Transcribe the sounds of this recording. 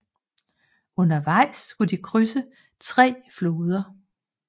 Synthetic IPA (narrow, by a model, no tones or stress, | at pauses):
ɔ̽nɐʋɑ̈ɪ̰skʰud̥ikʰʁysə | t͡sʰʁɛ̰ːfloːðˠɐ